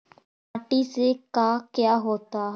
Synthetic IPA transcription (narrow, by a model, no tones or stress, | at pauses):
pːʈiːseːkaːkjaːɦoːt̪aːɦ